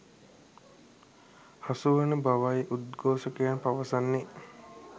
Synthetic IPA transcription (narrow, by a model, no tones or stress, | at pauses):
hasuʋənəbaʋajiʔud̪ɡoːsəkəjanpaʋəsanːe